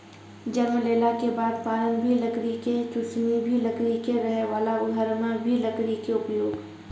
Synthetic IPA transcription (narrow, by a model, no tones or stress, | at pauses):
d͡ʒəɾməleːlakebaːd̪paːɾə̃nbʱiləɡɾiket͡ʃʊsnibʱiləɡɾikeɾəɦɛʋaːlaʊd̪ʱəɾnãbʱiləɡɾikeʊpjoːɡ